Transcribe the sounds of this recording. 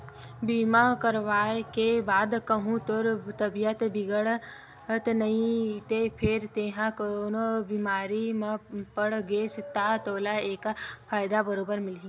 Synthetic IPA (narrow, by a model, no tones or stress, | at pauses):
biːmakəɾʋaːekebaːd̪kɐɦũt̪ʊɾt̪ɐbijət̪bɪɡəɽ | t̪nɐĩt̪epʰɪɾt̪eːɦãknobiːmaːɾimãpəɽɡeːst̪at̪oːlaeːkapʰaːjd̪abəɾoːbəɾmɪlĩ